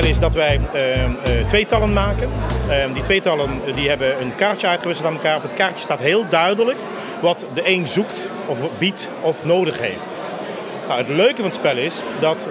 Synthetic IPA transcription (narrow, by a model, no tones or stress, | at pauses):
lɪsdɑtʋɛj | tʋejtɑlənmaːkənditʋejtɑləndiɦɛbəənkaːɹtjəœɥtχəʋɪs̬l̩ˠtaːnməlˠkaːɹɔfətkaːɹəstaːtɦɪːlˠdœɥdələk | ʋɑtdəʔejnzukt | ɔfbit | ɔfnowdəχɦḛjft | nawɦətløɥkəvɑnətspɛlˠɪsdɑt